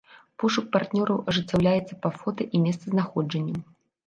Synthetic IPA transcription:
puʂuk̚part̪nʲɔɾɐwʔɐʐɨt͡sʲːawlʲajɛt̪sːɐpɐfɔt̪ɐʔimʲɛst̪sɐznaxɔd͡ʐɐnʲːɐ

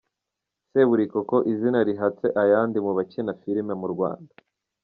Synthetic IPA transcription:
se̞βuɾikoko̞ʔizinaɾiɦat͡se̞ʔajaːndimuβacenafiɾimemuɾɡwa̰ːndḁ

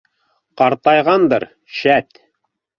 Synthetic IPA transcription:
qɑɾt̪ɑjʁɑnd̪ɤɾ | ʃæt̪

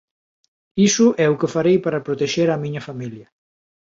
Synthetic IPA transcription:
isʊʔɛukefaɾejpaɾɐpɾot̪eʃeɾamiɲɐfamiljɐ

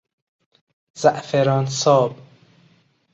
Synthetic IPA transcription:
z̥æʔfeɾɒːnsɒːb

